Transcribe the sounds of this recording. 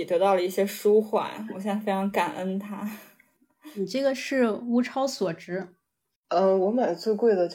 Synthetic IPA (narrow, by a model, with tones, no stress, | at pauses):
i˨˩t̪ɤ˧˥t̪ɑ˥˩ʊlə˩i˥˩ɕjɛ˥ʂu˥xwa̰˨˩˦nxo˧˥ɕ̬jɛ˥ŋfe˥ɪʈ͡ʂʰɑ˧˥ŋka˨˩nʔə˥nt̪ʰa˥˨˩ | ʈ͡ʂɤ˥˩ɡə˩ʂɻ̩˥˩u˥ʈ͡ʂʰɑ˥ʊswɔ˨˩ʈ͡ʂɻ̩˧˥ | ə˧wɔ˧˥ma˨˩ɪt͡swe˥˧ɪkwe˥˩ɪd̪ə˩t͡ɕ